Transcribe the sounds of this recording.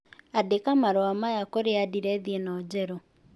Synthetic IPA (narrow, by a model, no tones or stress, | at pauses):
adekamaɾoamajakoɾeadiɾɛðienɔd͡ʑɛɾɔ